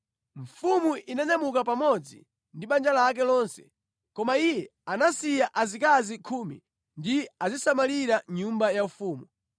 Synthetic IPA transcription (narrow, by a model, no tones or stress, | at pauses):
ɱ̩fumuʔinɛnɛmukap̬amɔd͡zḭ | ndiɓand͡ʒalak̬ɛlɔnsɛ̥̰ | kɔmaijɛanasijaʔazikazikʰuːmi | ndiazisamaliɾaɲumbajaufuːmu